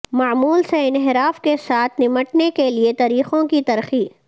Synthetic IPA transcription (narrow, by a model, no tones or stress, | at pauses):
maːmuːlseɪnɦɪɾaːfkesaːt̪ʰnɪməʈnekeliet̪ɐɾiːxõkit̪ɐɾxiː